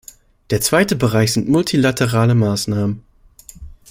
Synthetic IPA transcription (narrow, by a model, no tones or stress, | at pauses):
d̥eːɐt͡sv̥aɪtəbəʁaɪçz̥ɪntmʊltʰilatʰəʁaːləmaːsnaːmən